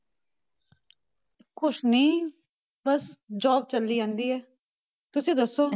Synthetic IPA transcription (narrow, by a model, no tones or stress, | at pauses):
kʊt͡ʃʰnĩː | bəsd͡ʒɔːb̚t͡ʃəlːiːd͡ʒãːnd̪iːɦɛː | t̪ʊsẽːd̪əsːoː